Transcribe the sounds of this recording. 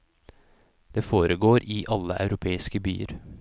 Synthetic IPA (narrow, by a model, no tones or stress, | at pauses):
d̪̥eːfoːɾəɡoːɾiːʔɑləʔɑ̰ʉɾʊpʰeːɪskəby̰ːə̰ɾ